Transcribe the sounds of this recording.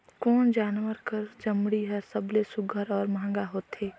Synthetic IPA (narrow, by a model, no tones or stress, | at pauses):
kɔːnd͡ʒaːnwəɾkəɾd͡ʒɐmɽiɦɛsəblesʊɡʱəɾɔːɾmɐɦə̃ŋɡaɦoːt̪ɦeː